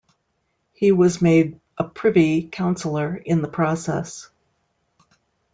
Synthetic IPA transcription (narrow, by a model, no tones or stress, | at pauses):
hiwʌzmeɪɾ | ʔəpʰɹ̥ɪvikʰãʊ̃nsl̩ˠə˞ɨ̃nðəpʰɹ̥ɔsɛ̰s